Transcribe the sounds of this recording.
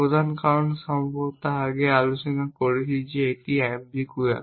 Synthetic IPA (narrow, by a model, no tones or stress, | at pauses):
od̪ʱankaɹɔnsɔmbɔt̪aaɡɛalusinakoɹisizietiɛmbikuja̰